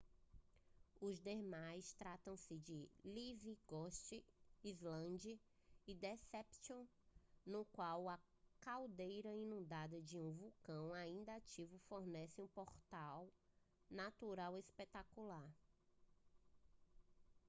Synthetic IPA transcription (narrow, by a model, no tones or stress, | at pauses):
ʊzd̪emajst̪ɾat̪ɐ̃w̃sɪd͡ʒɪliviɡɔst͡ʃiizlɐ̃d͡ʒɐ | ɪd̪ɛsɛpsõnʊkwawɐ | kawd̪ejɾɐĩnũd̪ad̪ɐd͡ʒɪũvukɐ̃w̃aĩnd̪ɐat͡ʃivʊfoɾnɛsɪũpoɾt̪aw | nat̪uɾawispet̪akulaɾ